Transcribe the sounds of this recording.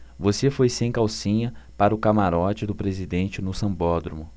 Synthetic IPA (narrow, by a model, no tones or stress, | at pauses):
vosefojsẽj̃kawsĩɲɐpaɾɐʊkamaɾɔt͡ʃɪd̪ʊpɾezid̪ẽnt͡ʃɪnʊsɐ̃mbɔd̪ɾumʊ